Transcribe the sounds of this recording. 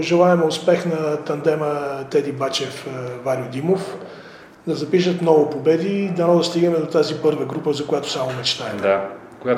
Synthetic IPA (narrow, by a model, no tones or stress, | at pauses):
oʒɛlˠaɛmɛʊspɛxnɐt̪ɐnd̪ɛmət̪ɛd̪ibat͡ʃɛfvaɾʲiʊd̪imof | d̪ɐzɐpiʃ̬ət̪nɔvʊpobɛd̪id̪ɐnɔd̪ɐst̪iɡnɛmɛd̪ot̪azipɤɾvəɡɾupəzɐkojat̪o̥samomɛt͡ʃt̪aɛɛa | kɡa